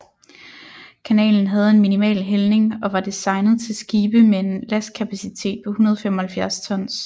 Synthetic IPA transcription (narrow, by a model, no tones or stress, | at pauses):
kʰænɛ̰ːln̩ɦæð̞̩ˠe̝nminimɛ̰ːlɦelne̝ŋɒ̽ʋɑ̈d̥isɑ̈ɪnð̩ˠt͡sʰe̝lsɡ̥iːb̥əmee̝nlæskʰæpʰæsit͡sʰe̝̰ːd̥̚pʰɒ̽hunɐð̞ˠɒfemɒ̽hælfjæɐst͡sʰɒ̽n̰s